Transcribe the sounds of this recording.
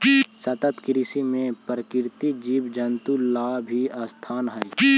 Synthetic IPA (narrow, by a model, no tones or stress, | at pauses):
sət̪ət̪kɾisimẽpɾəkɪɾt̪id͡ʒiːbd͡ʒənt̪ulaːbʱiaːst̪ʰaːnɦəj